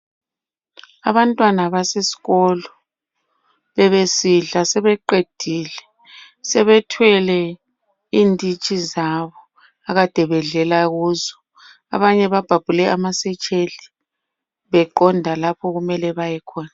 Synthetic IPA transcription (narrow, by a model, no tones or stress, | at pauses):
a̰βantʼwanaβasesi̥ɣɔlɔ | βɛβesiɮasɛβɛǃed̥ʱiːlɛ | sɛβɛtʰwɛlɛ | iːndʱʼit͡ʃʼizaβɔ | aɣad̥ʱɛβɛɮɛlaɣuːzɔ | a̰βaɲɛβab̥ʱab̥ʱulɛamasɛt͡ʃʼeɮi | βɛǃɔndʱalapʰɔɣumɛlɛβajɛkʰɔːna